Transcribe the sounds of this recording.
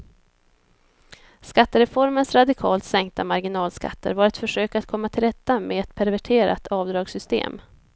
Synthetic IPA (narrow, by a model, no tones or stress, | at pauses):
skat̪ːəɾɛfɔɾmənsɾad̪ɪkʰɑːlt̪sɛŋk̚t̪ʰamaɾɡɪnɑːlska̰t̪ːə̰ɾvaːɾɛt̪fœʂøːkat̪̚kʰɔmːat̪ʰɪlɾɛt̪ːameɛt̪̚pʰæɾvæʈʰeːɾa̰t̪ɑːvd̪ɾɑːɡsʏst̪ḛːm